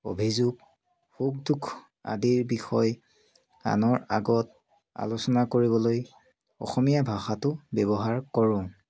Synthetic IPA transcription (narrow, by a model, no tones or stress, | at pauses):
o̰bʱizuɡ | huɡ̚dukʰ | a̰diɹbixɔj | a̰nɔɹaɡɔt̚ | a̰losɔnakoɹibɔloj | ɔ̰xɔmijabʱaxatʊbɛbɔɦaɹkɔɹʊ̃